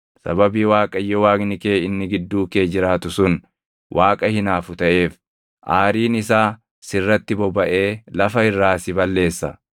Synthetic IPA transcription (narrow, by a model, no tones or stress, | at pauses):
sɐ̰bɐbiːwaːkʼɐjːɔwaːɡnɪke̞ːɪnːɪɡɪd̪ːuːke̞ːd͡ʒɪɾaːt̪ʊsʊn | wʔaːkʼɐhɪnaːfʊt̪ɐʔe̞ːf | ʔaːɾiːnɪsaː | sɪrːɐt̪ːɪbɔbɐʔe̞ːlɐfɐɪrːaːsɪbɐlːe̞ːsːɐ